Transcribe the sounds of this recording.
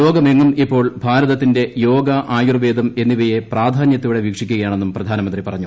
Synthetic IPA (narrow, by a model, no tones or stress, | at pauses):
jo̞ːɡɐme̞ŋːumipːo̞ːɭbʱaːɾɐðɐt̪ːinde̞jo̞ːɡɐʔaːjurʋe̞ːd̪ʱɐme̞nːiʋejepraːd̪ʱaːnjɐt̪ːuʋiɽe̞ʋiːkʂikʲːuɣɐjaːɳe̞nːumprɐd̪ʱaːnɐmɐnd̪ripɐrɐɲːu